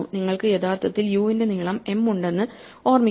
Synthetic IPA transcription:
uniŋːɐɭkɨjet̪ʰaːrt̪ʰɐt̪ːiljuːinde̞niɭɐme̞muɳɖe̞nːɨ | o̞ːrmi

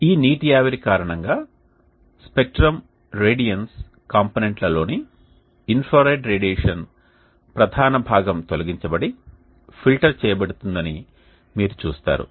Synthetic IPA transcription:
iːniːʈijaːʋɐɾikaːɾɐɳɐŋɡaː | spek̚ʈɾɐm | ɾeːɖijɐns | kaːmponeɳʈlɐlo̞ːniː | npʰoːɾɐːɖɾeːɖieːʂɐn | pɾɐd̪ʱaːnɐbʱaːɡɐmt̪olɐɡiɲt͡ʃɐbɐɽi | pʰilʈɐɾt͡ʃɛːjɐbɐɽut̪und̪ɐni | miːɾut͡ʃuːst̪a̰ːɾṵ

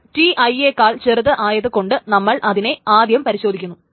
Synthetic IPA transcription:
ʈiʔɐjeːkːaːɭt͡ɕerɨðɨʔaːjɐðɨko̞ɳɖɨnɐmːɐɭʔɐðine̞aːd̪jɐmpɐɾiɕo̞ːd̪ʱikʲːunːu

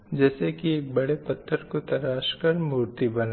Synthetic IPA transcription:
d͡ʒɛːsekieːk̚bɐɽepɐt̪ʰːəɾkot̪ɐɾaːʃkɐɾmuːɾt̪ibɐna

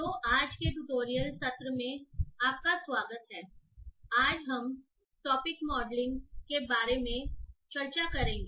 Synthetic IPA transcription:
t̪oːʔaːd͡ʒkeʈʊʈoːɾijəlsɐt̪ɾəmẽaːp̚kasʋaːɡət̪ɦɛː | aːd͡ʒɦɐm | ʈɔːpɪkmɔːɖlɪ̃ŋɡkebaːɾemẽt͡ʃɐɾt͡ʃakɐɾẽːŋɡeː

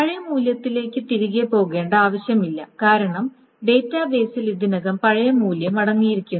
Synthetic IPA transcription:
pɐɻɐjɐmuːljɐt̪ːile̞ːkʲːɨt̪iɾiɣepo̞ːɣe̞ːɳɖɨaːʋɐɕjɐmilːɐkaːɾɐɳɐm | ɖe̞ːtːaːbe̞ːsilid̪inɐɣɐmpɐɻɐjɐmuːljɐmɐɽɐŋːijiɾikʲːunː

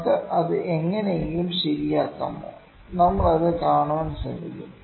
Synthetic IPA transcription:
kːɐʔɐðɨʔeŋːɐnejeŋɡilumɕɐɾijaːkːɐ̰mo̰ː | nɐmːɐɭɐðɨkaːɳoːnːsɐ̰lːikːum

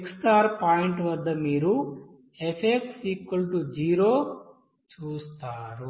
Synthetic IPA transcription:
ksʈaːɾpaːjiɳʈʋɐd̪ːɐmiːɾu | epʰek̚ʈsiːkʋɐlʈud͡ʒiːɾoː | t͡ʃuːst̪aːɾu

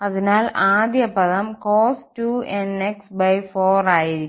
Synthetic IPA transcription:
ɐðinaːlaːd̪ʱjɐpɐðɐmkoːstueneksbɐjfoːraːjiɾikː

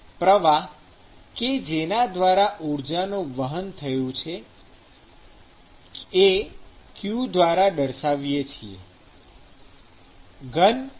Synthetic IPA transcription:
pɾəʋa | ked͡ʒenad̪ʋaɾaʔuɾd͡ʒanõʋəɦənt̪ʰəjõt͡ʃʰe | ekjud̪ʋaɾaɖəɾʃaʋjet͡ʃʰiḛ | ɡən

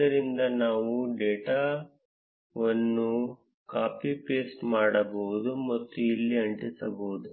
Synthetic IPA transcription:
ɐɾind̪ɐnaːʋuɖeːʈaː | ʋɐnːu | kaːpipeːsʈmaːɽɐboʋud̪umɐt̪ːuilːiɐɳʈisɐboːud̪u

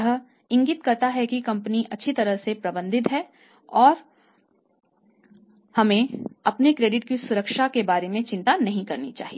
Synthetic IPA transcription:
ɦ | ɪ̃ŋɡit̪kɐɾt̪aɦɛkikɐ̃mpəniʔɐtːʃʰit̪ɐɾəɦsepɾɐbə̃nd̪ɪt̪ɦɛ | ɔːɾ | hɐmẽɐpnekɾeːɖɪʈkisʊɾəkʃakebaːɾemẽt͡ʃɪ̃nt̪anɐɦĩkɐɾnḭt͡ʃa̰ːɦie

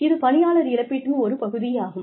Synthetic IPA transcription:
ɪðɯpɐɳɪjaːlɐɾɪlɐpːɪʈkɯɔɾɯpɐɣɯðɪjaːɣɯm

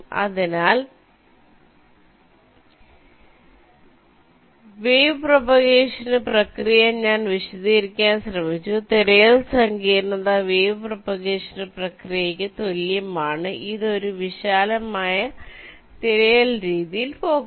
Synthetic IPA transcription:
ɐ̰ðinaːl | ʋeːprɐpɐɣeːʂɐnɨprɐkrijɐɲaːnʋiɕɐðiɾikʲːaːnɕrɐmit͡ɕːut̪iɾɐjɐlsɐŋɡiːɾnɐðaʋeːʋɨprɐpɐɣeːʂɐnɨprɐkrijɐkʲːɨt̪o̞ljɐmaːɳɨʔiðo̞ɾuʋiɕaːlɐmaːjɐ | t̪iɾɐjɐlɾiːðijilpo̞ːɣ

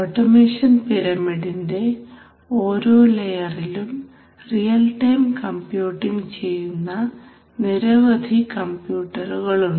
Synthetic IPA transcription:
oːʈːɐmeːʂɐnpiɾɐmiɽinde̞ | o̞ːɾoːlejɐrilum | rijɐlʈɐjmkɐmpjuːʈːiŋɡt͡ɕe̞jːunːɐ | niɾɐʋɐd̪ʱikɐmpjuːʈːɐruɣɐɭuɳ

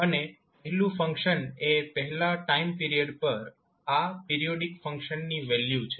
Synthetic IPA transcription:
əne | pəɦɛlũfə̃ŋkʃənepəɦɛlaʈaimpiɾijəɖpəɾ | apiɾijoɖikfə̃ŋkʃənːiʋɛljut͡ʃʰe

